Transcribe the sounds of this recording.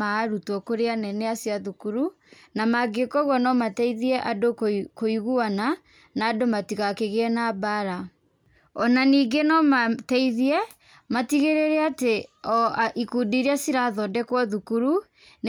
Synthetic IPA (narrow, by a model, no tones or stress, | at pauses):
aɾutwɔkoɾeanɛnɛasiaðukuɾu | namaɡekɔɣwɔnɔmatɛiðiɛʔadokkoiɣuana | naːdomatiɣakeɣeɛnabaɾa | ɔnaniːɡenɔmatɛiðiɛ | matiɣeɾeɾɛateɔʔikudiɾiasiɾaðɔdɛkwɔðukuɾu | n